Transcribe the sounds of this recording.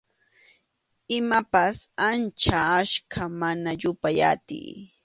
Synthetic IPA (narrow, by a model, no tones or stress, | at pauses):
ɪmapasant͡ʃaːʃkʰamanaʎʊpaja̰t̪ɪ̰j